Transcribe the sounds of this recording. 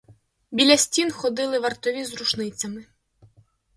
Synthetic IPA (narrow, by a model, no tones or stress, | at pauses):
bʲilʲɐsʲtʲinxɔd̪ɪlˠɪʋɐrt̪ɔʋʲizɾuʃnɪt͡sʲɐmɪ